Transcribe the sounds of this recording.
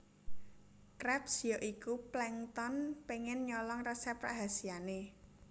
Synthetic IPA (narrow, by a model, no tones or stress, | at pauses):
kɾɛpsjɔʔikuplɛŋt̪ɔnpeŋɪnɲɔlɔŋrɛsɛpra̰ɦasijane